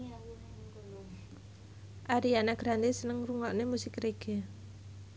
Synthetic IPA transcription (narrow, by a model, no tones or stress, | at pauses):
ʔaɾianaɡ̥ɾand̪esənəŋruŋɔʔnemusɪkreɡ̥e